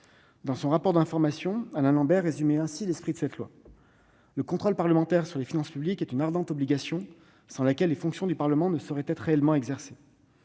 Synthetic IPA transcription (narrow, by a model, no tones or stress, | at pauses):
d̪ɑ̃sɔ̃ʁapɔʁd̪ɛ̃fɔʁmasjɔ̃anɛ̃lɑ̃bɛʁːezymɛɛ̃silɛspχid̪əsɛt̪lwa̰ | ləkɔ̃t̪χɔlpaʁləmɑ̃t̪ɛʁsyʁlefinɑ̃spyblikɛt̪ynaʁd̪ɑ̃t̪ɔbliɡasjɔ̃ | sɑ̃lakʲɛlːefɔ̃ksjɔ̃d̪ypaʁləmɑ̃nəsɔʁɛt̪ɛt̪χːeɛlmɑ̃ɛɡzɛʁse